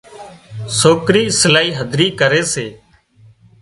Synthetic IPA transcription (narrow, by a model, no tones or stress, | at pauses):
soːkɾiːsɪlaːiːɦəd̪ʱɾiːkəɾeːseː